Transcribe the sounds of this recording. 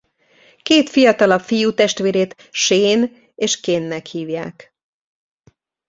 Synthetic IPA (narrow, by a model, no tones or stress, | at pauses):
keːt̪fijɒt̪ɒlɒfijut̪ɛʃt̪ʋeːɾeːt̪ | ʃeːn | eːʃkeːnːɛkhiːvja̰ːk